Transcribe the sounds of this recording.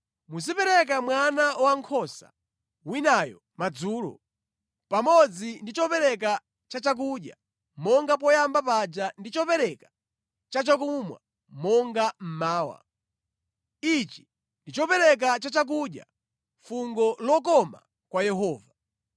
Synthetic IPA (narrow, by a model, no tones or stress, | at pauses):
mus̬ipɛɾɛk̬amwanaɔwaŋkʰɔsa̰ | winajɔ̰ | mad͡zuːlɔ̰ | pamɔd͡zindit͡ʃɔpɛɾɛk̬a | t͡ʃat͡ʃak̬uɗja̰ | mɔŋɡap̬ɔjambapad͡ʒandit͡ʃɔpɛɾɛkḁ | t͡ʃat͡ʃak̬umwa̰ | mɔŋɡam̩maːwa̰ | it͡ʃi̥ | ndit͡ʃɔpɛɾɛk̬at͡ʃat͡ʃak̬uɗja̰ | fuŋɡɔlɔk̬ɔma̰ | kwajɛɦɔːva